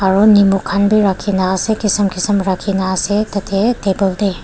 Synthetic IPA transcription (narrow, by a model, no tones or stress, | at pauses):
aɾunimukʰanbiɾakʰːinaːsekisɐmkʰisɐmɾakʰinaːsetɐtʰetebɐlde